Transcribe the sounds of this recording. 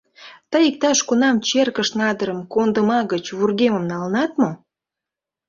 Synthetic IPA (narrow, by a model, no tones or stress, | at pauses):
t̪əjik̚t̪ɑʃkunɑmt͡ɕerkəʃnɑd̪əɾəmkond̪əmɑɣət͡ɕβurɣeməmnɑlənɑt̪mo